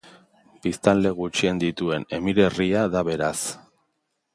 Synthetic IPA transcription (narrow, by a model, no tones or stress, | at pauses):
b̥ist̪anle̞ɣut͡ʃiend̪it̪ue̞ne̞miɾe̞riaðaβe̞ɾas